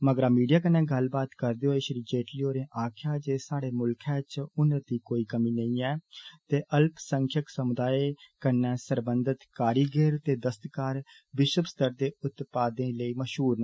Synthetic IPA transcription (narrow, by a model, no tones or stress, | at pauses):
məɡəɾaːmiːɖijaːkənːɛ̃ːɡəlbaːt̪kəɾd̪eːɦoeʃəɾiːd͡ʒeːʈliːoːɾẽːʔaːkʰjaːd͡ʒeːsaːɽeːmʊlkʰɛ̃ːt͡ʃʊnəd̪iːkoːiːkəmiːnəĩːɛːt̪eːʔəlpsəŋkʰjəksəmʊd̪aːeːkənːɛ̃ːsəɾbənd̪ət̪kaːɾiːɡeːɾt̪eːd̪əst̪kaːɾ | ʋɪʃəbst̪ʰəɾd̪eːʊt̪paːd̪ẽːləiːməʃɦuːɾnã